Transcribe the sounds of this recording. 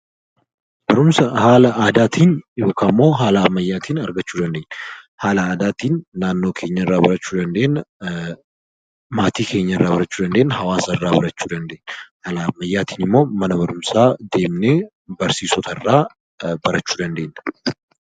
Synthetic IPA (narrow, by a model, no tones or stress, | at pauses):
b̥ɐɾʊmsɐhaːlɐʔaːd̪aːt̪ʰiːnjo̞ːkʰaːmːo̞ːɦaːlɐːmːɐjːaːt̪iːnɐɾɡɐt͡ʃːuːd̪ɐnd̪e̞ːnːɐ̥ | haːlɐaːd̪aːt̪iːnːaːnːo̞ːkʰe̞ːɲːɐɪrːaːbɐɾɐt͡ʃːuːd̪ɐnd̪e̞ːnɐ | maːt̪iːkʰe̞ːɲːɐɪrːaːbɐɾɐt͡ʃːuːd̪ɐnd̪e̞ːnːɐhɐwaːsɐrːaːbɐɾɐt͡ʃːuːd̪ɐnd̪e̞ːnːɐhalɐmːɐjːaːt̪ʰiːnɪmːo̞ːmɐnɐbɐɾʊmsaːd̪e̞ːmneː | bɐɾsiːsɔt̪ɐɪrːaː | bɐɾɐt͡ʃːuːd̪ɐnd̪e̞ːnːɐ̥